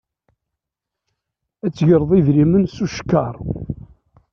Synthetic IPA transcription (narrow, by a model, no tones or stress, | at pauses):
æt͡sːʝəɾˤðˤiðlimənsuʃkːɑɾˤ